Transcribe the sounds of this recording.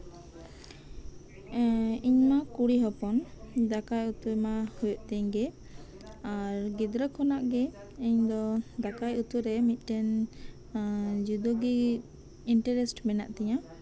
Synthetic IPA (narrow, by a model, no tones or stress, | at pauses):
iɲmakuɽiɦɔpɔnd̪akajut̪ujmahujɔʔt̪ɛɲɡɛ | aɾɡid̪ɾəkʰɔnaʔɡɛ | iɲd̪ɔd̪akajut̪uɾɛmit̪̚ˀʈɛn | d͡ʒud̪oɡi | iɳʈəɾɛsʈmɛna̰ʔt̪ɛɲã